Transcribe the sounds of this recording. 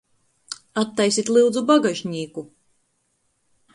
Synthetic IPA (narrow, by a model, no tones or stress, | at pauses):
at̪ːajsit̪ʲlˠiwd̪zubaɡaʒɲiːku